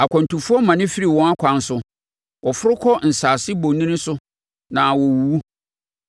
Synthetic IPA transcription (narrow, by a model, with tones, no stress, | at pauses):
a˨kʷʰɔ̃˨n˨tu˨fʊ˦ɔ˦mã˨nɪ̃˦fi˦ɾi˨wɔ̃˦ŋa˦kʷʰã˨n˦sʊ˦ | wɔ˨fʊ˦ɾʊ˦kʰɔ˦n̩˨saː˨sɪ˦bõ˨nĩ˦nɪ̃˦sʊ˦ | nã˨wɔ˨wu˨wu˦